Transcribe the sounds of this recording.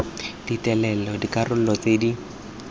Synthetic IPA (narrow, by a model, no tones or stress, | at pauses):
d̥itʼɛlɛlɔdikarʊl̩lɔt͡sedi